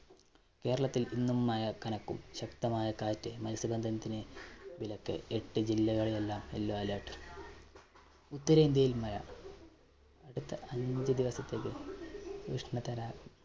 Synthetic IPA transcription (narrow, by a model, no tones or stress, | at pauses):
ke̞ːɾɐɭɐt̪ːilinːumːaːjɐkɐnɐkːumɕɐkt̪ɐmaːjɐkaːtːemɐlisibɐnd̪ʱɐnɐt̪ːinebilɐkːɨ̰eʈːɨd͡ʑilːɐɣɐɭilelːaːmḛlːoːɐlaːʈːɨ | ut̪ːɐɾɐind̪jɐjilmɐɾɐ | ɐɽut̪ːɐɐɲd͡ʑɨd̪iʋɐsɐt̪ːeːkːɨ | ʋiʂɳɐt̪ɐɾaːku